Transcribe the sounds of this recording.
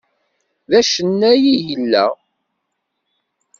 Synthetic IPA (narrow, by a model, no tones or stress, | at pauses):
ðæʃənːæjijəlːæ̰